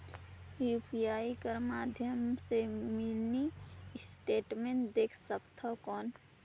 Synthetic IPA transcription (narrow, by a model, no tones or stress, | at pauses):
jupʰiaikəɾmaːd̪ʱjəmsemɪlnisʈeːʈmẽnd̪eːkʰsəkt̪ʰakɔːn